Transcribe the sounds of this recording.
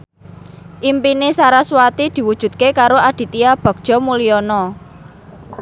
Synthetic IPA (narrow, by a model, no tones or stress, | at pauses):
ʔimpinesaɾaswat̪id̪̥i̤wud̥ʒ̥ṳt̪̚kekaɾoad̪̥i̤t̪iab̥ɔ̤k̚d̥ʒ̥ɔ̤muliɔnɔ